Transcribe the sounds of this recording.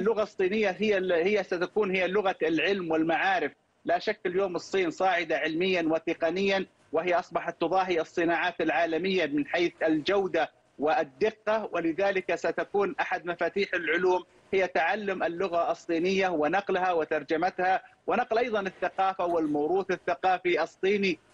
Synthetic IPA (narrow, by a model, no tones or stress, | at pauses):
alːʊɣasˤːiːnɪjːaɦɪjːahɪjːasat̪akuːnhɪjːalʊɣalʕɪlmwɪlmaʕaːɾɪf | laʃakːɪljoːmɨsˤːiːnsˤɑːʕɪd̪aʕɪlmɪjːanwɪt̪ɪqɑnɪjːan | wɪhɪjːaʔɑsˤbɑħɑt̪ːʊðˤɑːɦiɑsˤːɨnaːʕaːt̪ɪlʕaːlamɪjːamɪnħaːθɪld͡ʒawd̪a | wɪd̪ːɪqːɑwɪlɪðaːlɪkasat̪akuːnʔaħad̪mafaːt̪iːħɪlʕʊluːm | hɪjːat̪aʕalːʊmɪlːʊɣaʔɑsˤːiːnɪjːawɪnɑqlhawɪt̪ɑɾˤd͡ʒamat̪hawɪnɑqlʔɑjðˤɑnɪθːaqɑːfawɪlmawɾuːθɪθːaqɑːfiʔɑsˤːiːni